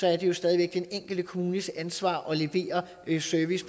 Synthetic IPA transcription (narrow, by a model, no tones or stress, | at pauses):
sɒ̽æɐd̥e̝jo̝sd̥ɛðˠiʋeɡ̥̚d̥eeŋ̰ɡ̥l̩d̥əkʰo̝muːnəsænsʋɑ̰̈ːʔɒ̽le̝ʋe̝̰ːɐ | søɐʋis